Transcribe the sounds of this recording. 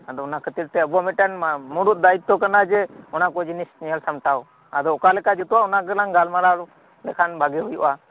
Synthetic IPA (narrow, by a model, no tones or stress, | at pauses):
ad̪ɔɔnakʰət̪iɾt̪ɛəbuamɛʈanmuɾut̪̚d̪ait̪̚t̪ːɔkanad͡ʒɛɔnakɔd͡ʒinisnijəlsamʈaw | ad̪ɔɔkalɛkad͡ʒut̪uwaɔnakəlaŋɡalmaɾaɾ | lɛkʰanbaɡɛɦujṵʔa